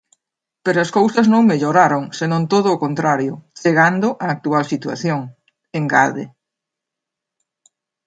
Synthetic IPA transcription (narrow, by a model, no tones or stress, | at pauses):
peɾʊɐskowsɐznõŋmeʎoɾaɾoŋsenõnt̪oð̞ʊːkont̪ɾaɾjʊt͡ʃeɣand̪ʊʔaːk̚t̪ualsit̪ua̰θjoŋ | eŋɡa̰ðḛ